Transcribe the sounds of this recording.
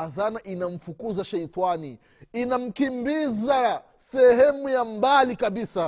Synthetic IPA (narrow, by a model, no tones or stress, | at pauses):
aðanaʔinam̩fukuzaʃɛitwani | inam̩kimbiza | sɛɦɛmujambalikabisa